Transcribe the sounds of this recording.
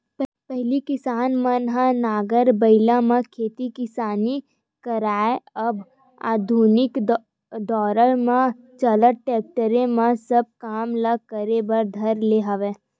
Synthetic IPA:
pɛɦlikɪsaːnmɐnɦanaːɡəɾbɐɪlãmãkʰeːt̪ikɪsaːni | kɐɾaːeɐb | a̰ːd̪ʱuːnɪk̪ | d̪ɔːɾəɾmã | t͡ʃɐləʈɛːk̚ʈəɾẽmãsɐb̚kaːmlɐkəɾebɐɾd̪ʱɐɾleːɦɐʋẽː

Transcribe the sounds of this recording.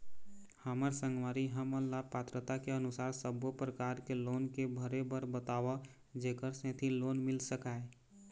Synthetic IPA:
haməɾsə̃ŋɡʋaːɾiɦəməlapaːt̪ɾət̪akeənʊsaːɾsəbopɾəkaːɾkeloːnkebʱəɾebəɾbət̪aːʋa | d͡ʒeːkəɾsẽːt̪ʰiloːnmɪlsəkaːe

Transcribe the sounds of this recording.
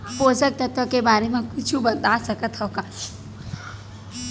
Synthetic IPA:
poːd͡ʒək̚t̪ət̪əkebaːɾemẽkʊt͡ʃʰubɐt̪aːsɐkət̪ɦɔka

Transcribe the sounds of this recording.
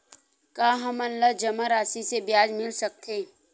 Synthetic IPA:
kaːɦɐmɐnləd͡ʒɐmaɾaːsisebjaːd͡ʒmɪlsɐk̚t̪ʰeː

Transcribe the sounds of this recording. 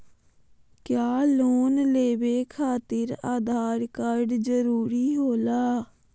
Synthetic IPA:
kjaːloːnleːʋeːkʰaːt̪ɪɾaːd̪ʱaːɾkəɾɖd͡ʒəɾuːɾiːɦoːlaː

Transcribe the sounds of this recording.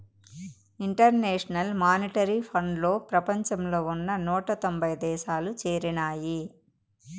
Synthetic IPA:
iɳʈɐɾneːʂɐnɐlmaːniʈɐɾipʰɐɳɖlo̞ːpɾɐpɐɲt͡ʃɐmlo̞ːunːɐnuːʈɐt̪ombʱɐjd̪ɛːʃaːlut͡ʃeːɾinaːji

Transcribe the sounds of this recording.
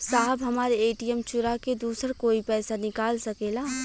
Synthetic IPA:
saːɦəbɦɐmaːɾeeːʈijɛmt͡ʃʊɾaked̪uːsəɾkoːipɛːsanɪkaːlsɐkeːlaː

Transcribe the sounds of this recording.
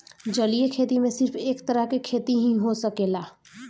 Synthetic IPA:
d͡ʒəlijekʰeːt̪imẽsɪɾpʰeːkt̪əɾəɦkekʰeːt̪iɦĩɦosəkeːlaː

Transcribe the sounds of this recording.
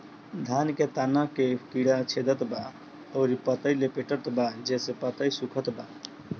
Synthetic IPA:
d̪ʱanket̪anakekiɽat͡ʃʰed̪ət̪ba | əʊɾipət̪əjlepeʈət̪bad͡ʒesepət̪əjsukʰət̪ba

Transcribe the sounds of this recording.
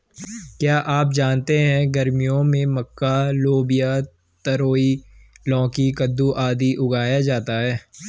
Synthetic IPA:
kjaːʔaːp̬̚d͡ʒaːnt̪eɦɛ̃ɡɐɾmijõmẽmɐkːaloːbɪja | t̪ɐɾoːilɔ̃ːkikɐd̪ːuʔaːd̪iʔʊɡʱaːjad͡ʒaːt̪aɦɛː

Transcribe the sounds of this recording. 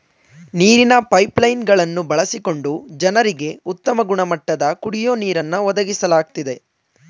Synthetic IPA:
niːɾinɐpɐjplɐjnɡɐɭɐnːubɐɭɐsiko̞ɳɖud͡ʒɐnɐɾiɡe̞ut̪ːɐmɐɡuɳɐmɐʈːɐd̪ɐkuɽijo̞ːniːɾɐnːɐʋɔd̪ɐɡisɐlaːɡ̚t̪id̪e̞

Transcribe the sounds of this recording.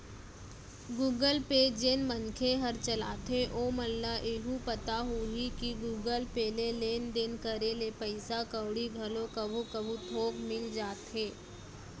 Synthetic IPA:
ɡuːɡəlpeːd͡ʒeːnmənkʰeɦəɾt͡ʃəla̰ːt̪ɦeʔoməlːaʔeɦupət̪aɦuɦikiɡuːɡəlpeːleleːnd̪eːnkəɾeːlepəɪsakəwɽiɡʱɐlokəbʱukəbʱut̪ʰoːɡmɪld͡ʒaːt̪ɦeː

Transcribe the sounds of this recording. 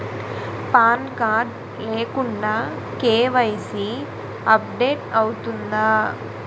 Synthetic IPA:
paːnkaːɾɖ | leːkuɳɖaː | keːʋɐjsi | ɐp̚ɖeːʈɐwut̪und̪aː

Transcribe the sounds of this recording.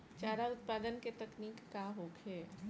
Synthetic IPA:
t͡ʃaːɾaʊt̪̚paːd̪ənket̪ɐkniːkːaɦokʰeː

